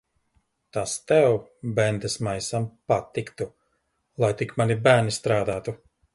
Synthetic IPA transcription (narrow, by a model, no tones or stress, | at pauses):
t̪ast̪ɛwbɛnd̪esmajsampat̪ːikt̪u | lˠajt̪ikmanibæːɾnist̪ɾaːd̪aːt̪u